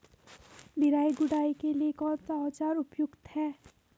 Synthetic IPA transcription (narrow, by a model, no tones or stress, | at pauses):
b̪ɪɾaːiɡʊɽaːikeliekɔɾt̪at͡ʃaːɾʊpjʊkt̪hɛː